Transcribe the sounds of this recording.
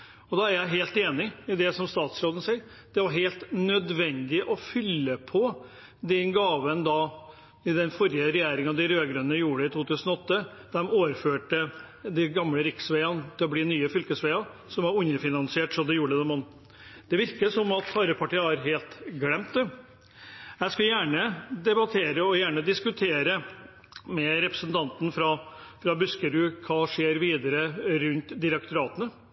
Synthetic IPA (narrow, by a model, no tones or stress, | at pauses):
ɔd̪ɑæɾjæɪɦeːlt̪eːnɪɪd̪ɛsɔmst̪ɑːt̪sɾoːd̪ən̩siɪɾ | d̪̥ɛʋɑɾɦeːlt̪nœd̪ʋɛnd̪ɪʔɔfʏlːəpʰɔ | d̪ɛnɡɑːʋənd̪ɑ | ɪd̪ɛnfɔɾjəɾɛjeːɾɪŋɑd̪ɪɾøːɡɾʉnəjuːɖəɪt̪ʰuːt̪ʰʉːsənɔɔt̪ːə | d̪̥ɛmoːʋəɾføːʈə | d̪ɪɡɑmləɾɪksʋeɪɑnt̪ʰɪlɔbliːnyːəfʏlkəsʋeɪɑsɔmʋɑɾʉɲɾəfɪnɑnsɪeːʈsɔd̪ɛjuːɖəd̪ɛmɔnː | d̪̥ɛʋɪɾkəsɔmɑt̪ɑɾəpʰɑʈiːəæɾɦeːlt̪ɡɽɛmt̪ | jæɪskɑljæːɳəd̪ɛbɑt̪ʰeːɾəɔjæːɳəd̪ɪskʉt̪ʰeːɾə | mɛɾɛpɾəsnt̪ʰɑnt̪n̩fɾɑfɾɑbʉskəɾʉːkʰɑːʂeːɾʋiːd̪əɾəɾʉnt̪d̪ɪɾɛkt̪ʊɾɑːt̪ənə